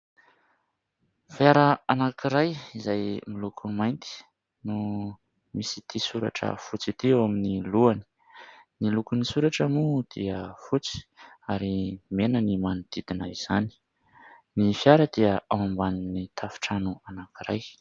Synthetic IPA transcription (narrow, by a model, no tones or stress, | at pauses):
fjaɾaanakiɾajizajmilukʰumajnt̪i̥ | nu | misi̥t̪isuɾa̰ʈ͡ʂə̰fut͡sit̪iawaminiluani̥ | nilukunisuɾaʈ͡ʂamud̪̥iəfut͡si̥aɾimenənimanud̪̥id̪inaiz̥ani̥ | nifijaɾəd̪̥iəawambaninit̪ʰafi̥ʈ͡ʂanuanakiɾaj